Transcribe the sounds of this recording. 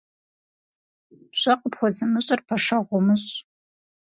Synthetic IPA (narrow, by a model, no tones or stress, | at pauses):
ɕʼɐqʼəpχʷɔzɐmɨɕʼɐrpʰɐʂɐʁʷɔmɨɕʼ